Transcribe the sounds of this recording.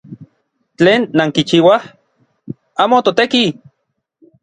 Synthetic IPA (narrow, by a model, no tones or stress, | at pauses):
t͡ɬeːnːaŋkit͡ʃiːwah | aːmot̪ot̪eki